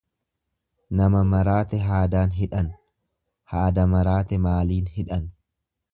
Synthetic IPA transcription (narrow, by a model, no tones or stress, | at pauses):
nɐmɐmɐɾaːt̪ɛɦaːd̪aːnɦɪᶑɐn | haːd̪ɐmɐɾaːt̪ɛmaːliːnhɪᶑɐn